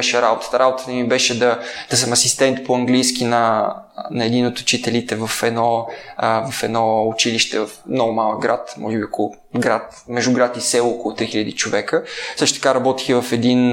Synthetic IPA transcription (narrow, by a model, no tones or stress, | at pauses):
ʃɛɾabot̪ə̥t̪əɾabot̪ət̪əmibɛʃɛd̪ɐd̪̥ɐsɐmɐsist̪ɛnt̪poɐŋɡlijskinɐ | nɐɛd̪inot̪ʊ̥t͡ʃit̪ɛlit̪ɛvɐfɛd̪nɔ | vɐfɛd̪nɔʊt͡ʃiliʃt̪ɛvɐfmnɔɡʊmalˠəɡɾat̪mʔɔ̰ʒɛbiɐko | ɡɾat̪ | mɛʒuɡɾat̪isɛlˠɔkolˠʊt̪ɾixiʎəd̪it͡ʃovɛkəsɤʃt̪ʊt̪əkaɾɐbɔt̪i̥xəvɐfɛd̪in